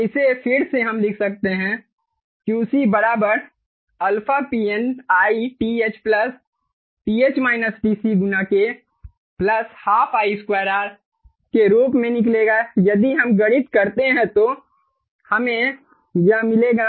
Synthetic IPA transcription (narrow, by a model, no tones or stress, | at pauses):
ɪsepʰɪɽseɦɐmlɪkʰsɐk̚t̪eɦɛ̃ | kiʊsibɐɾaːbəɾ | ɐlpʰapiːɛnaːiʈieːt͡ʃplɐs | pieːt͡ʃmaːɪnəsʈiːsiɡʊnake | plɐshaːpʰaːiskwaːɾaːɾ | keɾuːpmẽnɪkleːɡajɐd̪iɦɐmɡɐɽɪt̪kɐɾt̪eɦɛ̃t̪o | hɐmẽ | jamɪleːɡa